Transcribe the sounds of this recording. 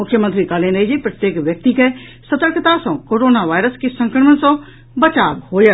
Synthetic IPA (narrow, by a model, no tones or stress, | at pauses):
ʊkʰjəmənt̪ɾikaːlẽnɐid͡ʒepɾət̪jeːkʋjək̚t̪ike | sət̪əɾkʰt̪asɔ̃koːɾoːnaʋaːɪɾəskesə̃ŋkɾəmənsɔ̃ | bət͡ʃaːbɦoːjə